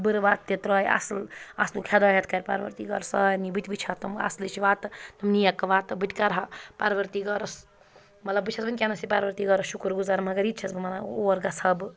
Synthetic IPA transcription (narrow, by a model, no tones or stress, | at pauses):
bɨɾʋat̪t̪ːet̪ɾɔːja̰sla̰slukʰed̪aɦet̪ʰkɐɾpaɾʋɐ̰ɾt̪iɡɐɾsɐnibɨt̪ʲbɨt͡ʃʰɐt̪ɐma̰slit͡ʃiʋat̪t̪ɐmnijakːɐʋat̪bɨʈkaɾɐɦɐpaɾʋɐɾt̪iɡɔɾɐs | mɐt̪lɐbɨt͡ʃʰɐsbɐnʲkʲanɐsipaɾʋɐɾt̪iɡɔɾɐsʃukɾɡuzaːɾmɐɡɐɾit̪t͡ʃʰɐsbɐmanaoɐɾɡasɐb